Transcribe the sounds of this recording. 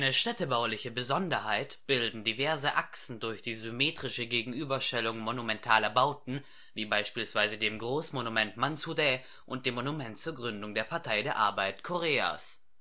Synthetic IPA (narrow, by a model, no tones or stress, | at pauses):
ʔaɪnəʃtɛtəbaʊlɪçəbəzɔndɐɦaɪtb̥ɪldn̩divɛɐzəʔaksn̩dʊɐçd̥iːzymeːtʁ̥ɪʃəɡeːɡŋ̩ʔyːbɐʃtɛlʊŋmonumɛntʰaːlɐbaʊtn̩ | viːbaɪʃpiːlsv̥aɪzədeːmɡʁoːsmonumɛntmansudɛ | ʔʊnt̚d̥eːmːonumɛntt͡suːɐɡʁʏndʊŋdeːɐpʰaɐtʰaɪdeːɐʔa̰ɐbaɪtkʰoʁeːa̰ːs